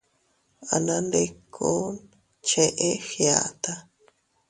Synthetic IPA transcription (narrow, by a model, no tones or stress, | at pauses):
a̰nandekʰːon | t͡ʃeʔexja̰t̪a